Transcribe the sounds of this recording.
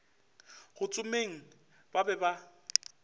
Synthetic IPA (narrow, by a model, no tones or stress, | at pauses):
ɣʊt͡sʼʊmeŋ̩ | b̥abɛba